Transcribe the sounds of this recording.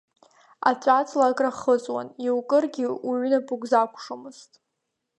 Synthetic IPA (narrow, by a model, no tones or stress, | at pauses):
a̰t͡ɕʷʼat͡sʰʼlakʼraχət͡sʼwa̰niwkʼɨrɡʲɪuɥnapʼʊkʼzakʷʰʂomɨz̥tʼ